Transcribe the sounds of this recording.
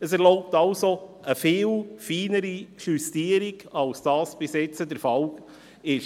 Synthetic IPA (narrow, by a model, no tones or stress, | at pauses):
əsɛɾlɔʊp̚tɑlsoəfɪːlfiːnəɾiʃystiːəɾiɡɑlsd̥ɑːsb̥ɪsjɛt͡sədəɾfɑl | ɪʃ